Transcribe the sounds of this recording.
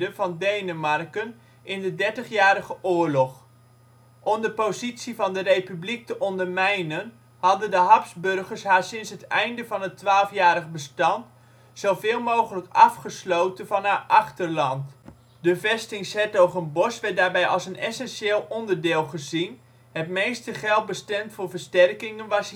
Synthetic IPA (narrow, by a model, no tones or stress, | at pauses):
dənvɑndejnəmɑrkən | ɪndədɛɹtəχjaːɾəχəʔʊːɹlɔχ | ʔɔmdəpozitsivɑndərejpyblik̚təʔɔndəɹmɛjnən | hɑdəndəɦɑpzbɵrχəɹsɦaːɹsɪnsɦətɛjndəvɑnətʋaːlˠfjaːɾəχbəstɑnt | sowvɪːlˠmowχələkɑfχəslowtənvɑnɦaːʔɑχtəɹlɑnt | d̥əvɛstɪŋsɛtowvɑnbɔsʋɛtdaːɹbɛjʔɑlˠsənɛsɛnʃeːlˠɔndəɹdɪːlˠχəzin | ɦətmejstəχɛlˠt̚bəstɛmtfʊːɹvəɹstɛrkɪŋənʋɑs